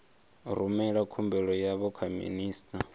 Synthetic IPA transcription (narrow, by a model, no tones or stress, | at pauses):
ɾumɛɺakʰumbɛɺɔjaβɔkʰamḭniːstʰʼa